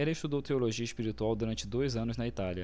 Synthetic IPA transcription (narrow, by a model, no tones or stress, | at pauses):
ɛlɐɪʃt̪ud̪owt̪eoloʒiɐɪspiɾit̪uawd̪uɾɐ̃nt͡ʃɪd̪ojzɐ̃nʊznɐit̪aliɐ